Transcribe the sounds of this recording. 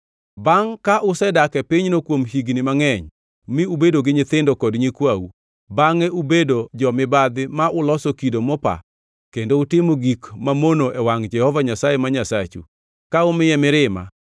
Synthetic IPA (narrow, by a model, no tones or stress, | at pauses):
baŋkaʔʊsɛdakɛpiɲnokwomhiɡnɪmaŋɛɲ | mɪubedoɡɪɲɪt̪ɪndokɔdɲikwawu | baŋɛubedod͡ʒɔmɪbad̪ɪmaʔʊlɔsokidomɔpa̰ | kendoʊtɪmoɡikmamonoʔɛwaŋd͡ʒɛhɔvaɲasajemaɲasat͡ʃṵ | kaʊmɪjɛmɪɾɪma̰